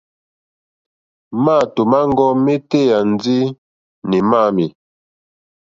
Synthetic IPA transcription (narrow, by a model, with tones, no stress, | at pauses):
maː˦˨to˨ma˦ŋ˦ɡɔ˦me˦te˦ja˨n˦d͡zi˦ | ni˨ma˦˨mi˨